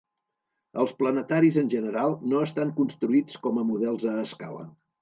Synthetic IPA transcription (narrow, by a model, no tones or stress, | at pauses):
əlˠsplənət̪aɾizənʲʒənəɾalˠnoəst̪aŋkunst̪ɾuit͡skɔməmuðɛlˠzəːska̰lə̰